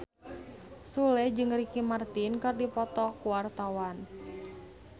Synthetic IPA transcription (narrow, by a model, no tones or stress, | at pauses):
sulɛd͡ʒɨŋrikimart̪inkɨrdipɔt̪ɔkuwart̪awan